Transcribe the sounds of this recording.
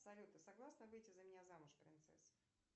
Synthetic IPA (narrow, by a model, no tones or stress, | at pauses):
sɐlʲut̪nəsɐɡlˠasnəvɨjtʲɪzəmʲɪnʲazamʊʂpɾʲɪnt̪sɛ̰s